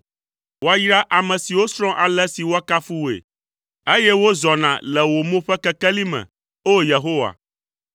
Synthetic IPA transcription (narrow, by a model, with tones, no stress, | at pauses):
wo˦a˦jɾa˦ʔa˨mɛ̃˨si˨wo˦sɾɔ̃˦ʔa˨lɛ˦si˨wo˦a˦ka˦fu˦wḛ˨ | e˦jɛ˦wo˦zɔ˨nã̰˨lɛ˨wo˨mõ˦ɸɛ˦kɛ˦kɛ˦li˦mɛ̰̃˨ | o˦je˨ɦo˦wa̰˨